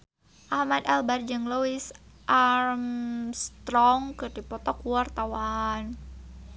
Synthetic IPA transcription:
ʔahmad̪albard͡ʒəŋloisʔarmst̪ɾɔŋkɨrdipɔt̪ɔkuwart̪awan

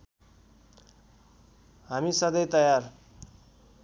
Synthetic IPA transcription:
ɦamisʌd̪ʌjt̪ʌjar

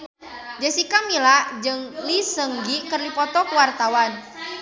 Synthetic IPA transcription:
d͡ʒəsikamilad͡ʒɨŋlisəŋɡikərlipɔt̪ɔkəwart̪awan

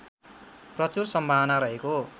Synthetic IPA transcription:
prʌt͡sursʌmbʱaɦʌnaɾʌɦeko

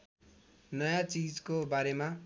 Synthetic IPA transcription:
nʌjat͡sid͡zkobaɾema

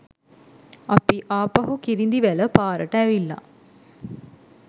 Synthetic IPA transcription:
apiʔaːpaɦukiɾind̪iʋæləpaːɾəʈəæʋilːa̰

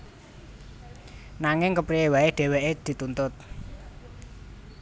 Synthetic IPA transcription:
naŋɪŋkəpɾiewaeɖ̥e̤weʔed̪̥i̤t̪unt̪ʊt̪̚

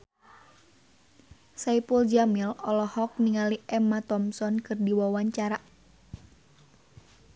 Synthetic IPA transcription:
saipuld͡ʒamilɔlɔhɔk̚niŋaliʔɛmat̪ɔmsɔnkɨrdiwawaɲt͡ʃaɾa

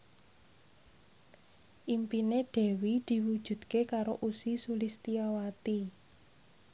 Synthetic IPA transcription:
ʔimpineɖ̥ɛ̤wid̪̥i̤wud̥ʒ̥ṳd̪̥kekaɾo̰ʔusisulist̪iawat̪i

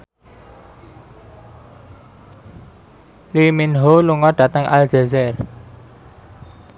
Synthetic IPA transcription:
liminɦoluŋɔɖ̥ä̤t̪əŋʔa̰ld͡ʒazɛr

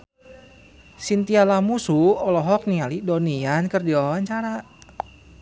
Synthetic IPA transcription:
sint̪ialahmusuɔlɔɦɔk̚niŋalidoniankərdiɔɔaɲt͡ʃaɾa

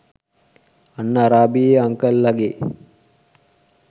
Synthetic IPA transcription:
anːəaɾaːbijeaŋkəlːaɡe

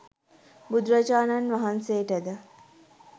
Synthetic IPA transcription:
bud̪ɾad͡ʒaːnanʋaɦansejːʈəd̪ə

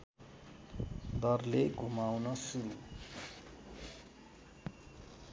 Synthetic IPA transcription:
d̪ʌrleɡʱumawnʌsuɾu

